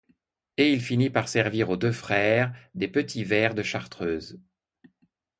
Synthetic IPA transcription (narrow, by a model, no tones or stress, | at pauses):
eilfinipaʁsɛʁviʁod̪øfχɛːʁd̪epət̪ʰivɛːʁd̪əʃaʁt̪χøːz